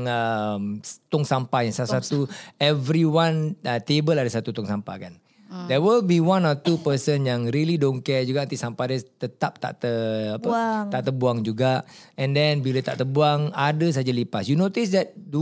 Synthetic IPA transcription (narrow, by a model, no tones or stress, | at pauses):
ŋəmt̪ɔŋsampajasalassat̪uɛvɾiwãnt̪ebəladəsat̪ut̪ɔŋsampa̰kan | dɛwilbiwãnɔt̪upəsənjaŋɾilidonkɛd͡ʒuɡaʔt̪isampadət̪ət̪ap̚t̪a̰ʔt̪əapət̪aʔt̪əbuaŋd͡ʒuɡaʔɛ̃ndɛ̃nbilat̪a̰ʔt̪əbuaŋadəs̬aad͡ʒalipasjunot̪isdɛt̪̚du